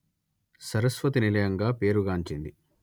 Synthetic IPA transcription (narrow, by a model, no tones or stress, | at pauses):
sɐɾɐsʋɐt̪inilɐjɐŋɡaːpe̞ːɾuɡaːɲt͡ʃind̪i